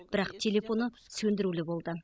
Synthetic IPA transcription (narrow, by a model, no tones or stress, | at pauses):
b̥ɪɾɑqt̪ʲʰe̞lʲe̞fo̞nə | sɵnd̪ɪɾulɪbo̞lˠd̪ə